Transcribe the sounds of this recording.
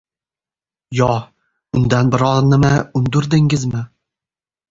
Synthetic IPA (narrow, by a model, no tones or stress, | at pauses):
jɒ | ʊnd̪anbɪɾɒznɪmaʊnd̪ʊɾd̪ɪŋɪzmɪ